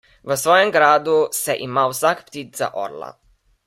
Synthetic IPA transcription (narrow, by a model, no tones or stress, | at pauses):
ʋəsʋɔːjɛmɡɾaːd̪usɛʔimawsakpt̪iːt̪za̰ʔɔ̰ɾla̰